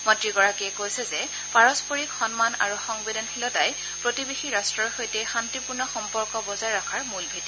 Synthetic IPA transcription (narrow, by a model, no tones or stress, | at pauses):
mɔtɹiɡɔɹakiɛkojsɛzɛ | paɹɔspoɹikxɔnmana̰ɹuxɔŋbedɔnxilɔtaj | pɹotibexiɹastɹɔɹxojtɛxantipuɹnɔxɔmpɔɹkɔbɔzaɹːakʰaɹmulbʱiti